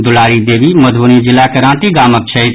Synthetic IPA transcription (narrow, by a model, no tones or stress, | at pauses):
d̪ʊlaːɾid̪eːbiməd̪ʱbunid͡ʒɪlakeɾãːʈiɡaːmək̚t͡ʃʰəi